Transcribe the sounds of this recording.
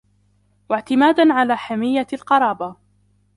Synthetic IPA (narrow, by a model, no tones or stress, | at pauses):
waʕt̪ɪmaːd̪anʕalaːħamɪjːalqɑɾˤɑːba